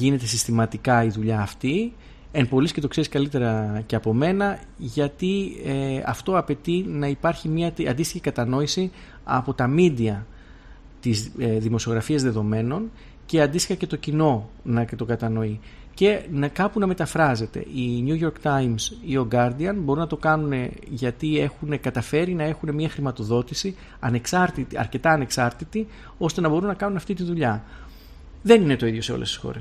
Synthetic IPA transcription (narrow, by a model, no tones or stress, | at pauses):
ʝine̞t̪e̞sist̪imɐt̪ikɐiðuʎɐːft̪i | empo̞lisce̞t̪o̞kse̞ɾiskɐlit̪e̞ɾɐce̞ɐpo̞me̞nɐ | ʝɐt̪ieɐ̰ft̪o̞ɐpe̞t̪inɐipɐɾçimɐt̪ɐ̰nd̪ist̪içikɐt̪ɐno̞isi | ɐ̰po̞t̪ɐmid̪iɐ | t̪izðimo̞sio̞ɣɾɐfiɐzðe̞ðo̞me̞no̞n | ce̞ɐnd̪ist̪ixɐce̞t̪o̞cino̞nɐt̪o̞ɡɐt̪ɐno̞i | ce̞nɐkɐpunɐme̞t̪ɐfɾɐze̞t̪e̞̰ʔiɲuʝo̞ɾkt̪ɐjmsio̞ɡɐɾd̪iɐnbo̞ɾunɐt̪okɐnune̞ʝɐt̪ie̞xune̞kɐt̪ɐfe̞ɾinɐe̞xune̞mɲɐxɾimɐt̪o̞ðo̞t̪isi | ɐne̞ksɐɾt̪it̪iɐ̰ɾce̞t̪ɐːne̞ksɐɾt̪it̪i | o̞st̪e̞nɐbo̞ɾunːɐkɐnunɐft̪it̪inðuʎɐ | ðe̞nine̞t̪o̞iðjo̞se̞o̞̰le̞st̪i̥sxo̞̰ɾes